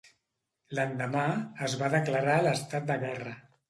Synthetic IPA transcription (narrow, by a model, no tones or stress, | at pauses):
lənd̪əmaəzβaðəkləɾaləst̪at̪̚d̪əɣɛrə